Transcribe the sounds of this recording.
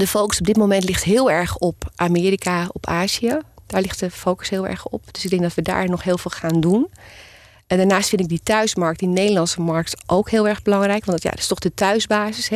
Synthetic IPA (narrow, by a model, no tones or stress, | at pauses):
dəfowkəsɔb̚dɪtmowmɛntlɪχtɦɪːlˠɛɹχɔpʔaːmɪːɾikaɔpaːziad̥aːɹlɪxtdəfowkə̥sɦɪːlˠɛ̰ɹxɔ̰p̚d̥ʏsɪɡ̚dɛŋɡdɔtʋəda̰ːɹnɔχɦɪːlˠvɪːlˠχaːndun | daːɹnaːstfɪntɪɡ̚ditœɥsmɑɹk̚t̚dinejdəlɑnsəmɑɹk̚tʔowkɦɪːlˠɛɹɣbəlɑŋrɛjkʋɑnja̰tɪ̥stɔχdətœɥzbaːzɪsɛ